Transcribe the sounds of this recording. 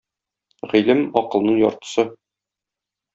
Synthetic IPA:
ʁilɘmɒqɤ̆lˠnɤɴjɒɾt̪ɤ̥̆sɤ

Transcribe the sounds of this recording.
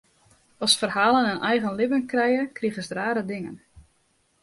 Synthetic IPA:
ɔsfərhaːlˠənɛnʔɛjɣənlɪbənkrɛjəkriɣəsdraːɾədɪŋə̰n

